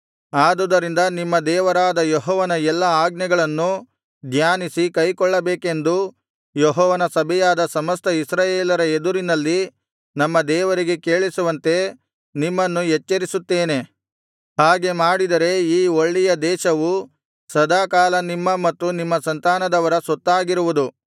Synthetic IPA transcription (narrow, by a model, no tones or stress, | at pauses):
aːd̪ud̪ɐɾind̪ɐnimːɐd̪ɛːʋɐɾaːd̪ɐjɔɦɔːʋɐnɐɛlːɐaːɡ̚nɛɡɐɭɐnːu | d̪ʱjaːnisikɐjkɔɭːɐbeːke̞nd̪u | jɔɦɔːʋɐnɐsɐbʱɛjaːd̪ɐsɐmɐst̪ɐisɾaːjeːlɐɾɐed̪uɾinɐlːi | nɐmːɐd̪ɛːʋɐɾiɡe̞ke̞ːɭisuʋɐnt̪e̞ | nimːɐnːujɛt͡ʃːɐɾisut̪ːeːne | haːɡe̞maːɽid̪ɐɾe̞iːoɭːɛjɐd̪ɛːʃɐʋu | sɐd̪aːkaːlɐnimːɐmɐt̪ːunimːɐsɐnt̪aːnɐd̪ɐʋɐɾɐsɔt̪ːaːɡiɾuʋud̪u